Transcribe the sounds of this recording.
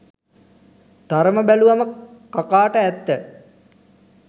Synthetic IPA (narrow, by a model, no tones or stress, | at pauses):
d̪̥aɾəməbæluʋaməkakaːʈəæt̪ːə